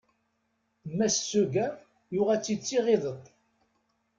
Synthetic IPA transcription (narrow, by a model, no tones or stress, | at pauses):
mːæssːuɡæ | jʊʁæt͡sːit͡sːiʁeðˤət̪ˤ